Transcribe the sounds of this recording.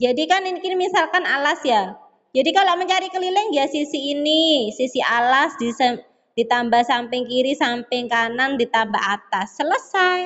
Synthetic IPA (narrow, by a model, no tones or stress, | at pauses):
d͡ʒadikaninikinimisalkanalasja | d͡ʒadikaloməɲt͡ʃaɾikəlilɪŋjasisiːnisisiʔalasdisa | d̥it̪ambahsampɪŋkiɾisampɪŋkanandit̪amba̰ɦat̪asːələsaj